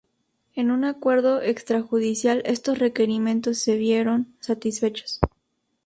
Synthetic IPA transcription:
e̞nunakwe̞ɾðo̞ʔe̞kst̪ɾaxuðisjalʔe̞st̪o̞sre̞ke̞ɾimjẽ̞nt̪o̞sːe̞βje̞ɾo̞nsat̪isfe̞t͡ʃo̥s

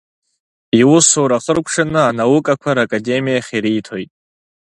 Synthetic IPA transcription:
iwʊsowɾaχərkʷʰʼʂanɨanawʊkʼakʷʰaɾakʼade̞mijaχʲiɾiːtʰojtʼ

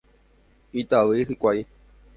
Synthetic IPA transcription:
it̪aʋɨhɨkʷaj

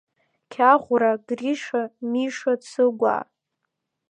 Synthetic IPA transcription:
kʲʰaʁʷʊɾaɡriʂamiʂat͡sʰɨɡʷa̰

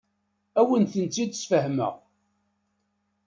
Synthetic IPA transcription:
æwənθənt͡sːid̪sfəhmə̰ʁ

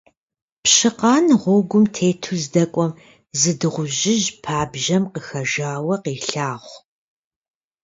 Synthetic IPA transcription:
pɕɨqɑːnʁʷʊɡʷʊmtʰeːtʰuzdɐkʷʼɔm | zɨdɨʁʷʊʒɪʑpʰaːbʒɐmqəxɐʒaːwɐqiːɬaːχʷ

